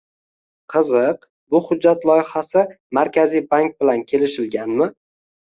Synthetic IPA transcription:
qʰɨzɨq | bʊhʊd͡ʒːat̪lˠɒjhasɪ | maɾkʲʰazijbaŋk̚bɪlankʲʰe̞lɪʃɪlɡʲanmɪ

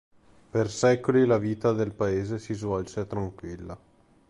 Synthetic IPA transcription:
persɛːkolilaviːt̪ad̪elpaeːzesizvɔlset̪ɾaŋkwilːa

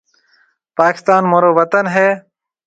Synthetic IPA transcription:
paːkɪ̥st̪aːnmoɾoʋɐt̪ənɦe

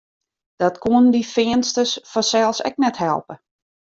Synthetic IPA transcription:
d̥ɔtkʰuəndifɪənstəsfɔsɛlˠsɛ̰k̚nɛthɛ̰lˠpə

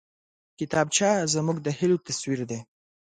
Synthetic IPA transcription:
kɪt̪ɑbt͡ʃɑzmuɡd̪əhɪlot̪aswiɾd̪e

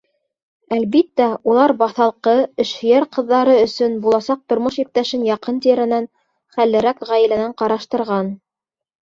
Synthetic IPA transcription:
ælβit̪ːæulˠɑɾbɑθɑlˠqɤɘ̆ʃhɘ̆jæɾqɤ̆ðːɑɾɤɵ̆sɵnbulˠɑsɑq̚t̪ŏɾmoʃip̚t̪æʃɘnjɑqɤnt̪iɾɘ̆næn | χælːɘ̆ɾækʁæjɘ̆lænæɴqɑɾɑʃt̪ɤ̆ɾʁɑn

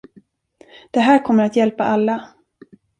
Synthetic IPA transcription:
d̪̥ɛɦæːɾkʰɔmːəɾat̪jɛlpa̰ʔalːa

